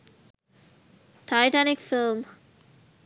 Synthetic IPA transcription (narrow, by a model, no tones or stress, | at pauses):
ʈʰaɪʈanɪkfɪlm